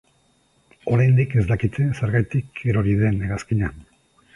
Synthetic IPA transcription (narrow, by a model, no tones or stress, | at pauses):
o̞ɾajnd̪ike̞zd̪akit̪e̞seɾɣajt̪ikʰeɾo̞ɾiðe̞neɣaskiɲan